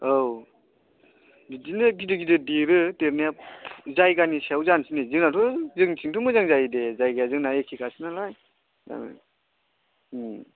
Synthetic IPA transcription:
ow | bidinɯɡidɯɡidɯdiɾɯteɾnijazajɡanisawzansinizɯŋnatʰɔzɯŋtʰiŋtʰumɯzaŋzajdezajɡajazɯŋnaekʰikʰasɯnalaj | a̰

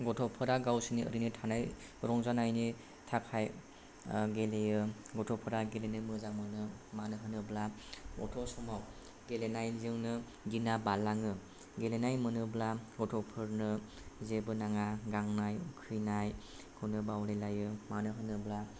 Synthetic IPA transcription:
ɡɔtʰɔpʰɯɾaɡawsɯniə̰ɾinitʰanaj | ɾɔŋzanajni | tʰakʰaj | ɡelejɯɡɔtʰɔpʰɯɾaɡelenɯmɯzamɯnɯmanɯɦɯnɯblaɔ̰tʰɔsɔmaw | ɡelenajnzɯŋnɯ | ɡinabalaŋɯ | ɡelenajmɯnɯblaɡɔtʰɔpʰɯɾnɯ | zebɯnaŋaɡaŋnajukʰɯjnaj | kʰɯnɯbawɾelajɯmanɯɦɯnɯbla

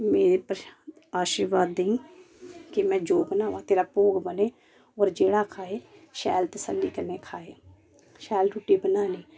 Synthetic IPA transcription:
meːɾepəɾ | aːʃiːɾʋaːd̪ːeĩː | kemɛ̃ːd͡ʒoːɡnaːʋãːt̪eːɾaːpoːɡbəneː | ɔːɾd͡ʒeːɽaːkʰaːeːʃɛːlt̪əsəlːiːkənẽːkʰaːeː | ʃɛːlɖuːʈːiːbənaːniː

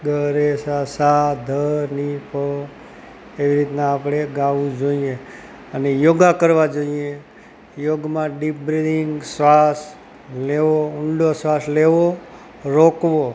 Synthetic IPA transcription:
ɡʱəɾesasad̪ʱənipə | eʋiɾit̪naːpɽeɡaʋũd͡ʒoie | ənejoɡakəɾʋad͡ʒoie | joɡmãɖipbɾiliŋɡsʋas | leʋoʊɳɖosʋasleʋo | ɾokʋo

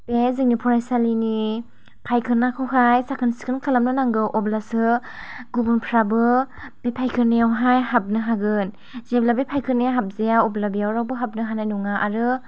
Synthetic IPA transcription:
bezɯŋnipʰɔɾajsalini | pʰajkʰɯnakʰɯwɦʰajsakʰɯnsi̥kʰɯnkʰalamnɯnaŋɡɯʔɔblasɯ | ɡubunpʰɾabɯ | b̥epʰajkʰɯɾnejawɦajhap̚nɯɦaɡɯn | zeblabepʰajkʰɯnejaɦap̚zejaɔblabijawɾawbɯɦap̚nɯɦanajnuŋaʔaɾɯ

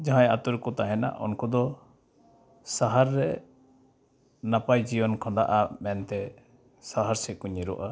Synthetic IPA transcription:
d͡ʒaɦãjat̪uɾkɔt̪aɦɛna̰ʔɔ̰nkud̪ɔ | saɦaɾːɛ | napajd͡ʒibɔnkʰɔ̃d̪aʔamɛnt̪ɛ | saɦaɾsɛkuɲiɾɔʔa

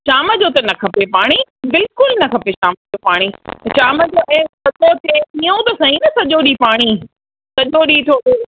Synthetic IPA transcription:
ʃaːməd͡ʑot̪ɐnɐkʰɐpepaːɽ̃ibɪlkʊlnɐkʰɐpeʃaːməd͡ʑoːpaːɽ̃iʃaːməd͡ʑoːʔɛ̃ːsɐʄot̪ʰeiːõt̪ɐsɐɦĩnɐsɐʄoɗipaːɽ̃i | sɐʄoɗiːt̪ʰoːeː

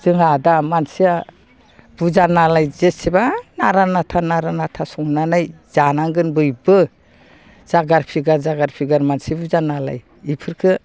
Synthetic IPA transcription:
z̥ɯŋadamansija | b̥uzanalajzetsibanaɾanatʰanaɾanatʰasɔŋnanajz̥anaŋɡɯnbɯjbɯ | z̥aɡaɾpʰiɡaɾzaɡaɾpʰiɡaɾmansibuzanala̰j | ipʰɯɾkʰɯ

